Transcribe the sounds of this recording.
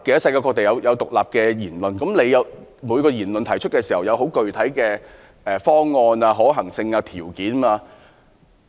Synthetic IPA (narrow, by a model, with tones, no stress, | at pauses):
ke˨˥j̚sɐ˧jkaː˧kɔ˧t̪e˨jɐ˨˧wjʔɐ˨˧wt̪ʊ˨k̚laː˨p̚kɛː˧jiː˨˩nlɵ˨nkɐ˨˥mle˨˧jɐ˨˧wmuː˨˧jkɔː˧jiː˨˩nlɵ˨nt̪ʰɐ˨˩jt͡ʃʰɵ˥t̚kɛː˧siː˨˩hɐ˨wjɐ˨˧wɦo˨˥wkɵ˨ɥt̪ʰɐ˨˥jkɛː˧ | ʔɛː˨fɔː˥ŋːɔː˧naː˧ɦɔː˨˥ɦɐ˨˩ŋsɪ˧ŋaː˧t̪ʰiː˨˩wkiː˨˥naː˧